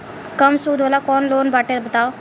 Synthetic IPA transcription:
kəmsuːd̪oːlaːkɔːnloːnbaːʈeːd̪bət̪aːo

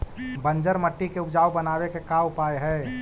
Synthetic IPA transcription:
bɐ̃ɲd͡ʒəɾmɐʈːikeʊpd͡ʒaːwbɐnaːwekekaːʊpaːeɦɛː

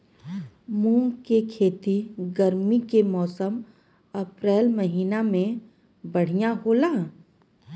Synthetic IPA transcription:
mũːŋkekʰeːt̪iɡəɾmikemɔːsəm | ɐpɾɛːlməɦiːnamẽ | bəɽ̤ijaɦoːlaː

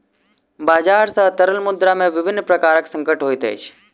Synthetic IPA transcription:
baːd͡ʒaːɾsəɦt̪əɾəlmʊd̪ɾamẽʋɪʋɪnːpɾəkaːɾəksə̃ŋkəʈɦoːit̪ʰḛjt͡ʃʰ

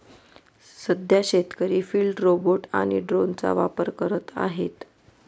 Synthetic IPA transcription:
səd̪ʱjaɕet̪kəɾiːfiːlɖɾoboʈa̰ɽ̃iɖɾont͡sa̰ʋapəɾkəɾət̪a̰ɦet̪

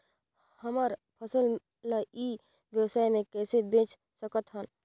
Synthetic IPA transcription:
həmaɾpʰəsəl | laiː | ʋjəwsaːemẽkɛːsebẽːt͡ʃ | səkət̪ɦən

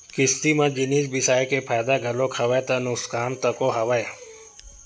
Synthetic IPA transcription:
kɪst̪imɐ̃d͡ʒɪniːsbɪsaːjkepʰaːjd̪aɡʱɐlõkʰɐʋet̪ɐnʊskaːmt̪ɐkoɦɐʋəe

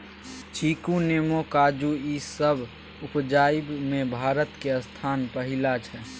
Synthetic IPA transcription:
t͡ʃʰiːkuneːmokaːd͡ʒuisəbʱ | ʊpd͡ʒaːɪbmẽbʱaːɾət̪keəst̪ʰaːnpəɦɪlat͡ʃʰɛː

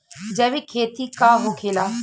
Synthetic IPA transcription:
d͡ʒɐʋikʰeːt̪ikaːɦokʰeːlaː

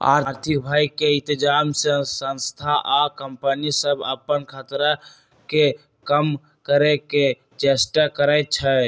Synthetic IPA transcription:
a̰ɾt̪ʰikbʱajkeĩnt̪id͡ʒamsəsə̃nst̪ʰaʔakəmpənisəbə̰pːənkʰat̪ɾə | ke | kəm | kəɾeke | d͡ʒesʈəkəɾəjt̪̚t͡ʃʰə

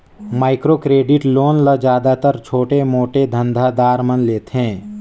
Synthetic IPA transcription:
maːɪkɾoːkɾeːɖɪʈloːnləd͡ʒjaːd̪at̪əɾt͡ʃʰoːʈemoːʈed̪ʱə̃nd̪ʱad̪aːɾmənleːt̪ɦɛ̃ː

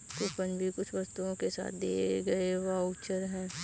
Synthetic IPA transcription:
t̪oːpənbʱikʊt͡ʃʰʋɐst̪uõkesa̰ːt̪̚ʰd̪ḛːɡɐeʋaut͡ʃəɾɦɛ̃ː

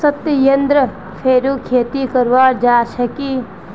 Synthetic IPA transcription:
sɐt̪jəjɐnd̪ɾə | pʰeːɾuːkʰeːt̪ikəɾʋaːd͡ʒaːʃɐkiː

